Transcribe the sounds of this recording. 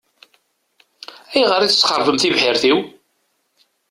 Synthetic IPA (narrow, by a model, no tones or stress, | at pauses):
æjʁəɾiθə̥t͡sːχəɾˤvəmθivħɪɾθiw